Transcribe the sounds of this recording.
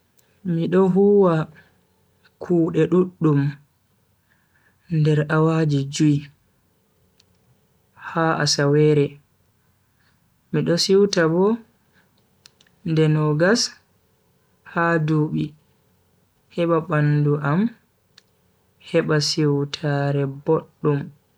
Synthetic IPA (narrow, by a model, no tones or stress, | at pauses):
miɗɔɦuwa | kʰuːɗɛɗuɗːum | ndɛɾawad͡ʒid͡ʒuj | haʔa̰sawɛɾɛ | miɗɔsiwtabɔ | ndɛnɔɡas | haduːɓi | hɛɓaɓanduʔam | hɛɓasiwtʰaɾɛboɗːum